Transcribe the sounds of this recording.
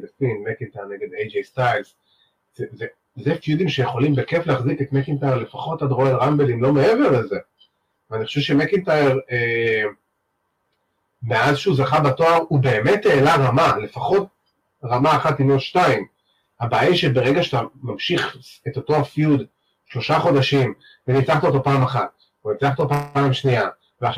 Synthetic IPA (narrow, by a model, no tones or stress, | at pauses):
dsinmekintajeneɡed̪ejd͡ʒestajls | zeze | zefjud̪imʃejeχo̞limbekefleaχziketmekintajeʁle̞faχo̞tadʁoladʁambelimlo̞me̞eve̞ʁleze̞ | veaniχo̥ʃɛvʃemekintajeʁe | me̞azʃeuzaχabatoaʁube̞ːmetːeːlaʁamale̞faχo̞t̚ | ʁamaːχatimotʃtaim | habaːjiʃebeʁeɡaʃatamamʃiχeto̞to̞afjud | ʃlo̞ʃaχo̞daʃim | venit͡saχt̪aot̪o̞paːmaχat̚ | venimt͡saχt̪opaːmʃnia | veaχʃ